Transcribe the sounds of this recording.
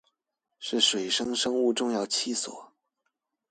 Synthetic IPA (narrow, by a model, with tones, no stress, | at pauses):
ʂɻ̩˥˩ʂwe˨˩ɪʂɤ˥ŋʂɤ˥ŋu˥˧ʈ͡ʂʊ˥˧ŋjɑ˥˩ʊt͡ɕʰi˥swɔ̰˨˩˦